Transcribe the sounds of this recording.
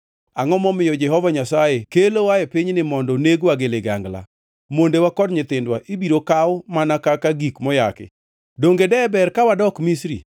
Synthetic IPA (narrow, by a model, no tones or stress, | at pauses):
aŋɔmɔmɪjɔd͡ʒɛɦɔvaɲasajekelowaɛpiɲnɪmɔndɔneɡwaɡɪlɪɡa̰ŋɡla̰ | mondewakɔdɲɪt̪ɪndwaʔibiɾokawʊmanakakaɡikmɔja̰kɪ̰ | doŋɡedɛbɛrkawadɔkmisɾḭ